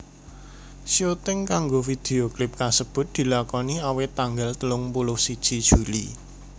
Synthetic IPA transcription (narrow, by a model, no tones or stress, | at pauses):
siot̪ɪŋkaŋɡofid̪̥eoklɪp̚kasəb̥ʊ̤t̪̚d̪̥i̤lakɔniawɪt̪aŋɡalt̪əlʊŋpulʊhsid̥ʒ̥id̥ʒ̥uli